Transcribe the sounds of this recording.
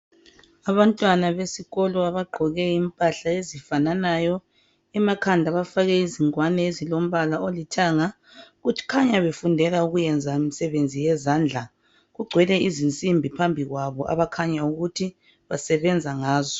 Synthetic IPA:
aβantʼwanaβesiɣɔlɔaβaɡ͡ǃʱɔɣɛimpʼaɬaezifananajɔ | ɛmakʰandʱaβafaɣɛiziŋwanɛezilom̩βalaolitʰaŋa | ɣutʰi̥kʰaɲaβefundʱɛɣauɣujɛnd͡zʱaemisɛβend͡zʱijɛzaːnd͡ɮʱa | ɣuɡ͡ǀʱwɛlɛizint͡sʼimbʱipʰambʱiɣwaβɔʔa̰βakʰaɲauɣutʰi | βasɛβɛnd͡zʱaŋaːzɔ

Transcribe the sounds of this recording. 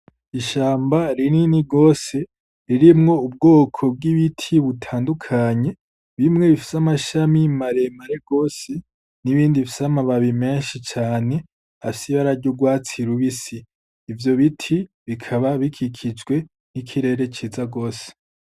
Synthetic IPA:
iʃaːmbaɾininiɡo̞ːse̞ | ɾiɾimŋo̞ub̚ɡo̞ːkʰo̞b̚ɡiβitʰiβutʰaːndukʰaɲe̞ | βimŋe̞βifi̥samaʃamimaɾe̞maɾe̞ɡ̥o̞ːse | niβiːndiβfisamaβaβime̞ːnʃit͡ʃaːne̞ | afisiβaɾaɾɟuɡwaːt͡siɾuβisiː | vjo̞βitʰi | βikʰaβaβikʰikʰid͡ʒɡwe̞ | nikʰiɾe̞ːɾe̞t͡ʃiːzaɡo̞ːse̥

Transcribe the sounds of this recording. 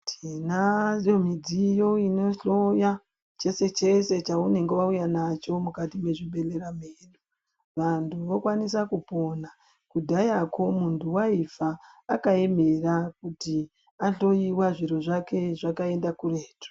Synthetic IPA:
tʰinajo̞mid͡zijo̞ino̞ɬo̞ja | t͡ʃe̞se̞t͡ʃe̞se̞t͡ʃaune̞ŋɡeʋaujanat͡ʃo̞mukatime̞ʐiɓe̞le̞ɾameːɗu | ʋantʰuʋokwanisakupo̞na | kudʱajakʰo̞muntʰuwaifaːkae̞me̞rakuti | aɬo̞iwaʐiɾo̞ʐake̞ʐakae̞ndakureːto̥

